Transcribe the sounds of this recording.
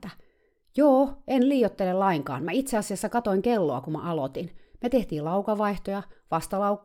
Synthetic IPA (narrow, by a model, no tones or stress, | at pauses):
æ | joːenliːjot̪ːelellɑiŋkɑ̰ːnmæit̪seɑsiɑsːɑkɑt̪oiŋkelːoɑkumæ̰ʔɑlot̪inmet̪eht̪iːlɑukɑʋɑiht̪ojɑʋɑst̪ɑlɑuk